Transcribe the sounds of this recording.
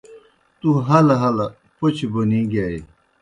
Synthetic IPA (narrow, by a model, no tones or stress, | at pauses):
t̪uɦɐlɦɐla | pot͡ɕʰibonĩɡaːi